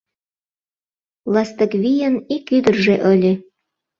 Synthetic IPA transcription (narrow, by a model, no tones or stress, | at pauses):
lɑst̪ə̆kβijə̆nikyd̪ərʒeʔəlʲe